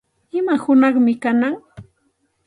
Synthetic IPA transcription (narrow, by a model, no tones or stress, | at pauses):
ɪmahʊnɑχmɪkanaŋ